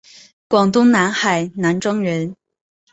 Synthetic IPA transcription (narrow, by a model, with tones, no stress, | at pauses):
kwɑ˨˩ŋt̪ʊ˥ŋna˧˥nxa˨˩ɪna˧˥nʈ͡ʂɤ˥ŋɻə˧˥n